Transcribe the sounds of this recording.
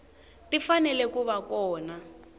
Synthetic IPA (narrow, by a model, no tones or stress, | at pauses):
tifanɛlɛkuβakɔːna